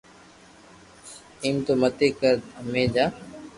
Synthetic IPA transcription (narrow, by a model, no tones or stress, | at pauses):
iːmt̪oːmət̪eːkəɾd̪əmeːd͡ʒaː